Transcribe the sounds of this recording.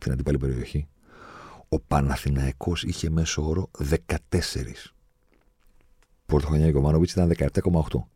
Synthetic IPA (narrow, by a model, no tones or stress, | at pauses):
st̪inɐnd̪ipɐlipe̞ɾio̞çi | o̞pɐnɐθinɐiko̞siçe̞me̞soo̞ɾo̞ðe̞kɐt̪e̞se̞̰ɾḭs | pɾot̪oɾoɲɐkomɐnovit͡sit̪ɐnðe̞kɐep̚t̪ɐko̞mɐoxt̪o